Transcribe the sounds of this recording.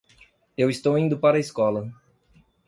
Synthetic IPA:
ewist̪owĩnd̪ʊpaɾɐiskɔlɐ

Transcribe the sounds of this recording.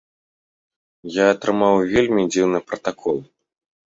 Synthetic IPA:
jaːt̪ɾɨmawvʲelʲmʲid͡zʲiwnɨpɾɐt̪akʰɔlˠ

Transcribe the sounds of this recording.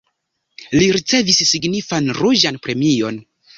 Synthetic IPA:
liɾit͡se̞visːiɡnifanɾud͡ʒanpɾe̞mio̞n

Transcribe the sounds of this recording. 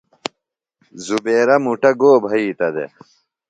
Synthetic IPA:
zubeːɾɐmuʈɐɡoːbʱɐiːt̪ɐd̪ḛ

